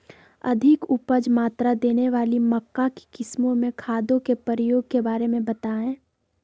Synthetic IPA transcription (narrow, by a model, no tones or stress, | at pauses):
ɐ̰d̪ʱɪkʊpəd͡ʒmaːt̪ɾad̪eːneʋaːlimɐkːake̥kɪsmõmẽkʰaːd̪õkepəɾəjoːɡ̚kebaːɾemẽbɐt̪aɦɛ̃ː